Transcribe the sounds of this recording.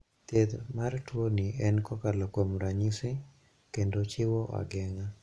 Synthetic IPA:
t̪ed̪martwoniʔɛnkɔkalɔkwomɾaɲisɪ | kendot͡ʃɪwɔʔa̰ɡɛŋa

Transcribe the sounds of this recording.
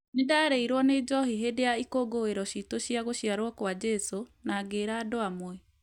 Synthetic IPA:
nedaːɾeiɾwɔned͡ʑɔhiɦedeaikoɡoeɾɔɕitoɕjaɣoɕjaɾwɔkwad͡ʑɛsonaːɡeːɾaːdoamwɛ

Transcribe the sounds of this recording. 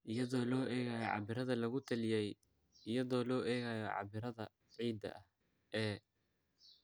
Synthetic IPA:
ʔɪjɐðɔːlɔːʔɛːɣaːjɔʕɑ̰βɪɾɐðɐlɐɣʊt̪ʰɐlɪjɛj | ɪjɐðɔːlɔːʔɛːɣaːjɔʕɑ̰βɪɾɐðɐ | ʕiːd̪ɐ̰ʔɐh | ɛː

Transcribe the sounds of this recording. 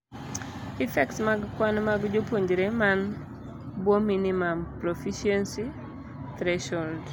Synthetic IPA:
ifɛksmaɡkwanmaɡd͡ʒopwoɲd͡ʒɾeman | bwominimampɾofiʃiɛnsi | tɾɛʃɔld

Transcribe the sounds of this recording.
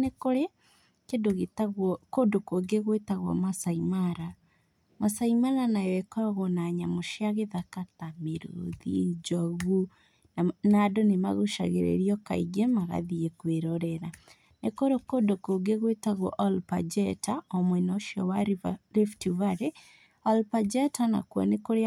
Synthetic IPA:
nekoɾe | kedoɣetaɣɔkodokoɡeɣwetaɣwɔ̰masaimaɾa | masaimaɾanajɛkɔɣonaɲamoʃiaɣeðakatameɾo̰ðḭd͡ʒɔɣu | nadonema̰ɣoʃa̰ɣḛɾḛɾiɔka̰iɣemaɣa̰ðiekweɾɔɾɛɾa | nekoɾokodokoɡeɣwetaɣɔ̰ʔɔlpa̰d͡ʒɛtaɔmwɛnɔʃiɔ̰waɾeftuvaɾe | ɔlpad͡ʒɛtana̰kwɔ̰nekoɾe

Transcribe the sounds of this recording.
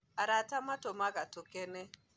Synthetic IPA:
aɾatamatɔmaɣatʊkɛnɛ

